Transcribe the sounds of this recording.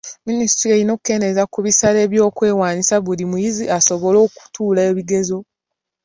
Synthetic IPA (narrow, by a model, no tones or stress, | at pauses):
minisi̥tɾeːɾino̞ku̥kːe̞nezakuβisale̞ːβjo̞ːkwe̞ːwaːɲisaβulimujiziʔaso̞βo̞lo̞ːku̥tuːleːβiɡe̞zo̞